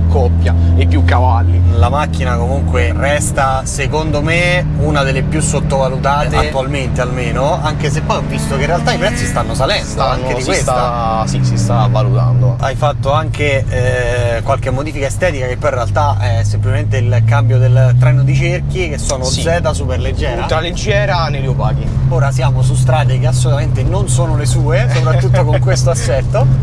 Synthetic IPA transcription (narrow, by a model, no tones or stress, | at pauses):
kːɔpːjaepːjukːavalːilamak̟ːinakomuŋkwerɛst̪asekond̪ome | unad̪elːepjusːot̪ːovalut̪aːeat̪ːualment̪ealmeːnoaŋk̟esepːɔjɔvːist̪okeinrːealt̪aipɾɛt̪sːist̪anːosalɛnd̪oaŋːkedikswesaasisist̪avalut̪a̰nd̪oajfat̪ːoaŋkeɛkwalkemːod̪iːfikaest̪ɛːt̪ikakepːɔjĩrealt̪aɛsːemplit͡ʃement̪eilkambjod̪elt̪ɾɛnod̪it͡ʃerk̟ik̟esːoːnozɛːt̪asuperled͡ʒːɛːɾat̪aled͡ʒːɛːɾanejt̪uopaːɡioːɾasjaːmosus̬t̪ɾaːt̪̬ekeas̬ːolut̪ament̪enonsoːnolesuːesopɾat̪ːut̪ːokoŋkwest̪oasːɛt̪ːo